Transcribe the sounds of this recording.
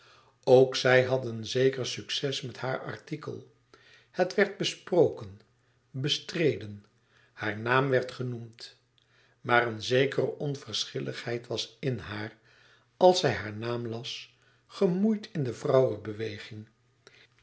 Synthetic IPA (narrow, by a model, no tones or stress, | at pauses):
owksɛjɦɑdənzejkəɹsyksɛsmɛthaːɹɑ̰ɹtikə̰lˠ | hətʋɛɹd̚bəsprowkən | bəstrejdən | haːɹnaːmʋɛɹtχənumt | maːrənzejkərəʔɔnvərsχɪlʔə̰χhɛjtʋɑsɪnɦaːɹ | ɑlˠsɛjɦaːɹnaːmlɑs | χəmujtʰɪndəvrɑwəbəʋejχɪŋ